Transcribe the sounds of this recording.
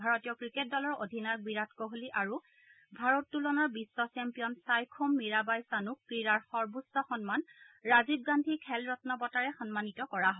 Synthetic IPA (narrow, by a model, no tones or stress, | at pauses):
bʱaɹɔtijɔkɹiket̚dɔlɔɹo̰dʱinaɹɡwiɹatkɔɦoliʔaɹu | bʱaɹɔtːulɔnaɹbisːɔsɛmpijɔnsajkʰumːiɹabajsanukːɹiɹaɹxɔɹbusːɔxɔnmanɹazib̚ɡandʱikʰɛlɹɔtnɔbɔtaɹɛxɔnmanitɔkɔɹaɦɔ